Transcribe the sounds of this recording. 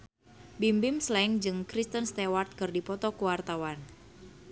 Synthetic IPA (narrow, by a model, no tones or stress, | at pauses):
bimbimslɛŋd͡ʒɨŋkɾist̪ənst̪ewart̪̚kɨrdipɔt̪ɔkuwart̪awan